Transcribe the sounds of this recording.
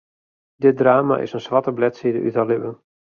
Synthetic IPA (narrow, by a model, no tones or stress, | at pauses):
dɪdraːma̰ʔɪ̰sənsʋatəblɛtsidə̰ʔy̰talɪbən